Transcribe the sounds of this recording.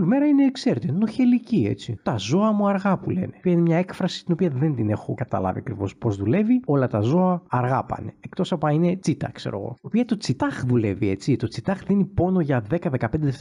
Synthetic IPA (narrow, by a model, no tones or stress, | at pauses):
lme̞ɾɐine̞ːkse̞ɾet̪enoçe̞licie̞̰t͡sit̪ɐzo̞ɐmuɐɾɣɐpule̞̰nepiɐinemɲɐe̞kfɾɐsi̥st̪ino̞piɐðe̞nd̪ine̞xo̞kɐt̪ɐ̰lɐ̰vḭɐkɾivo̞spo̞zðule̞vio̞lɐt̪ɐzo̞ɐɐɾɣɐpɐ̰ne̞ekt̪o̞sɐpɐine̞t͡sit̪ɐ̰kse̞ɾo̰ɣo̞̰iopiɐt̪o̞t͡sit̪ɐxðule̞vie̞t͡sit̪o̞t͡sit̪ɐxðinipo̞no̞ʝɐðe̞kɐðekɐpe̞nd̪eef